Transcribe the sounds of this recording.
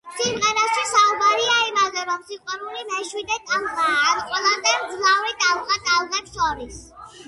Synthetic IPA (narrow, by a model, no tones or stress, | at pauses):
simʁɛɾastʰisaubaɾiaimazɛɾɔmsiqʼwanulimɛʃwid̪ɛt̪ʼalʁaɾqʼwɛlˠamd̪ɛmɡzlauɾit̪ʼalʁat̪ʼalˠʁɛpsɔɾis